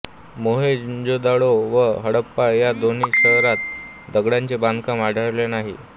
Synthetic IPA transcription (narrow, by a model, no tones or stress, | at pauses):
moɦed͡ʑod̪aɽoʋəɦəɽəpːajad̪onisəɦɾat̪ | d̪əɡɽãɲt͡ɕeband̪ʱkãmaɽʱəɾlenaɦḭ